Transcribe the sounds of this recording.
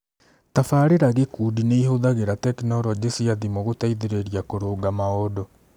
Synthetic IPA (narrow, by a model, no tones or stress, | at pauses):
tafaːɾeɾaɣekudineihoðaɣeɾatɛknɔɾɔd͡ʑesiaðimoɣotaiðeɾeɾiakoɾoːɡamaɔdɔ